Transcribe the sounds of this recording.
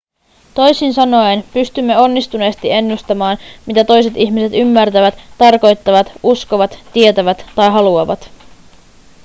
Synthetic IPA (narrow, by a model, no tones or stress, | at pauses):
t̪o̞jsinsɑno̞enpyst̪ymːe̞o̞nːist̪une̞ːst̪ie̞nːust̪ɑmɑːnmit̪æt̪o̞jse̞t̪içmise̞t̪ymːært̪æʋæt̪ːɑrko̞jt̪ːɑʋɑt̪usko̞ʋɑt̪ːiet̪æʋæt̪ːɑjɦɑluɑʋɑt̪